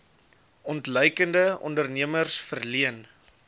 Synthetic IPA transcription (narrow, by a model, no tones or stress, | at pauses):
ɔntləjkəndəɔ̰ndərniəmərsfərliən